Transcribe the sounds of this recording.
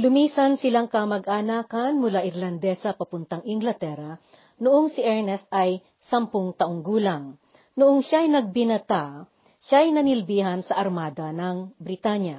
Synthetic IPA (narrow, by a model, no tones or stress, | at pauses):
lʊmiːsɐnsɪlaŋkɐmɐɡʔanaːkɐnmʊlaʔɪɾlɐnd̪ɛsɐpɐpʊnt̪ɐŋʔɪŋɡlɐt̪ɛɾɐ | nʊʔoŋsɪʔɛɹnɛst̪ʔɐj | sɐmpʊŋt̪ɐʔoŋɡuːlaŋ | nʊʔoŋʃajnɐɡ̚bɪnɐt̪a | ʃajnɐnɪlbiːɦɐnsɐʔɐɾmaːd̪ɐnɐŋbɾɪt̪aɲja